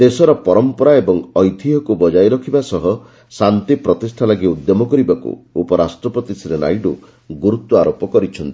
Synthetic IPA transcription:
d̪esɔɾɔpɔɾɔmpɔɾaebɔŋɔjt̪ʰiɦɔkubɔd͡ʒajɾɔkʰibasɔɦɔ | sant̪ipɾɔt̪isʈʰanaɡiud̪jɔmɔkɔɾibakṵupɔɾasʈɾɔpɔt̪isiɾena̰jɖu | ɡuɾut̪wɔaɾopɔkɔɾit͡ʃʰɔnt̪i

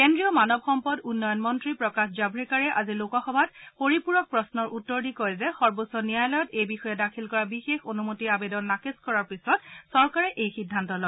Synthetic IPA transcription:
kendɹijɔmanɔb̚xɔmpɔdunːɔjɔnmɔntɹipɹɔkaxd͡ʒabɹikaɹɛʔazilokɔxɔbʱat̚poɹipuɹɔk̚pɹɔsnɔɹʔutːɔɹdikɔjzɛxɔɹbosɔnijajlɔjɔtejbixɔjɛdakʰilkɔɹabixexonumotiabedɔnːakeskɔɹaɹpisɔtsɔɹkaɹɛʔejxidʱːantɔlɔɡ

